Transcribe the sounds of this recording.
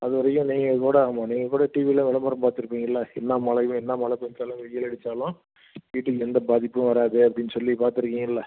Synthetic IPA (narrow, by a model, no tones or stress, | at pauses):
ɐðɯʋɐɾɐkːʊ̃niːŋɡɐkuːɽɐaːmaːniːŋɡɐkuːɽɐʈiʋilɐ̃ʋɛlɐmɐɾɐ̃mpaːɾt̪ɪɾɯpːiːŋɡɐɪlːɐɛnːãːmɐlɐʊ̃ɛnːamɐɭɐkːɔnt͡ʃːaːlɐ̃ʋɛjːɐlɐɽɯt͡ʃːaːlʊ̃ | ʋiːʈːɯkːɛnd̪ɐbaːðɪpːɯ̃ʋɐɾaːpðɯɐpːɐɽɪnːɯsɔlːipaːɾt̪ɪɾɯkːɪ̃ːŋɡɐɪlːɐ